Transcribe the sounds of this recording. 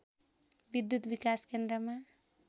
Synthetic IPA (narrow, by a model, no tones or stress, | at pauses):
bid̪jut̪bikaskend̪ɾʌma